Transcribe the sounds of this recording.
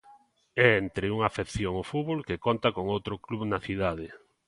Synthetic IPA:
ɛent̪ɾɪuŋafekθjoŋʊfuβolkekont̪akoŋowt̪ɾʊkluβnɐθiðað̞ɪ

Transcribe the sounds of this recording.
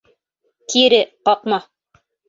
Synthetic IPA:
k̪ʰiɾɘqɑqmɑ

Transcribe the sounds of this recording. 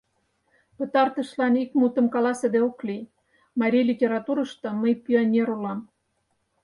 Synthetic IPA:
pə̆t̪ɑrt̪ə̆ʃlɑnikmut̪ə̆mkɑlɑsed̪eoklij | mɑɾʲijlʲitʲeɾɑt̪uɾə̆ʃt̪ŏməjpʲionʲeɾulɑm

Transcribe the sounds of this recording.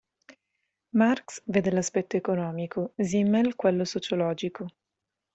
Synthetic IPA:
marksveːd̪elaspɛt̪ːoekonɔːmikʰozimːelkwelːosot͡ʃolɔːd͡ʒiko

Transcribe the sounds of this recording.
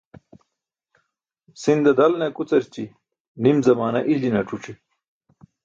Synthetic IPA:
sind̪ɐd̪ɐlnekut͡sɐɾt͡ɕi | nimzɐmaːnɐʔilinɐʈ͡ʂuʈ͡ʂe

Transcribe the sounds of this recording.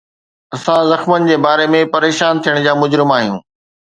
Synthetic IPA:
ɐsãzɐxmənɪ̆d͡ʑeːbaːɾemẽpɐɾeːʃaːnt̪ʰijəɽ̃d͡ʑaːmʊd͡ʑɾɪmaːɦijũː

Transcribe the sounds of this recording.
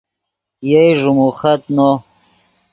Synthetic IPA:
jejʐumuχɐt̪no

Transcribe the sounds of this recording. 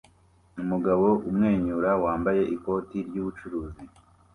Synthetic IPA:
umuɡaβo̞ʔumŋe̞ːɲuɾawaːmbaje̞ʔiko̞ːtiɾɟuːβut͡ʃuɾuːzi

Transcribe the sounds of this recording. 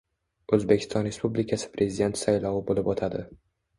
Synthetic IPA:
ɵzbekʲɪ̥st̪ɒnɾe̞spublikʰasɪ̥pɾʔe̞zʲɪd̪e̞nt̪ʰsajlɒwɪbolɪbɒt̪ʰad̪ɪ

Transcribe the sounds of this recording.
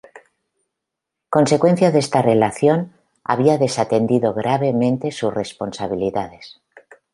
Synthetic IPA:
ko̞nsekwe̞nθjaðest̪are̞laθjo̞n | a̰β̞iaðe̞sat̪e̞nd̪iðo̞ɣɾaβe̞mẽ̞nt̪e̞susre̞spo̞nsaβ̞iliðaðes

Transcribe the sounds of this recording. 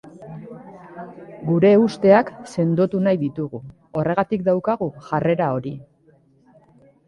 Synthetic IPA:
ɡuɾe̞ust̪e̞akse̞nd̪ot̪unajðit̪uɣ̞u | o̞re̞ɣ̞at̪ikd̪awkaɣ̞uʝare̞ɾao̞ɾi

